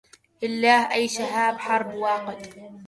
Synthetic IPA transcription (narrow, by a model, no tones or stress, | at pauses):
ʔɪlːaːhʔajːʃaɦaːbħɑɾˤbwaːqɪt̪